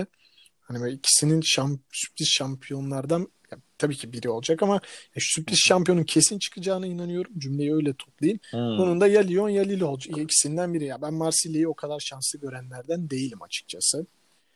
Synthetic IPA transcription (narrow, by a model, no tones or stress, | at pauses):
hanibicʰi̥sininʃamsy̥p̚lisʃampʰijo̞nlˠaɾd̪anjat̪ʰabiːcʰibiɾio̞lˠd͡ʒakamajaʃsypd̪ʲisʃampijouncʰe̞sint͡ʃʰɯ̥kʰɯd͡ʒaːnɯinanɯjo̞ɾumd͡ʒymlʲejiø̞jlʲɛt̪ʰo̥plˠajɯnbonund̪ajalʲijo̞njalʲilʲo̞lˠd͡ʒajaicʰi̥sind̪ænbiɾijabænmaɾsilʲejio̞kʰad̪aɾʃansˠɯɟø̞ɾænlʲæɾd̪ænd̪e̞jilʲima̰t͡ʃʰɯ̥k̚t͡ʃʰasɯ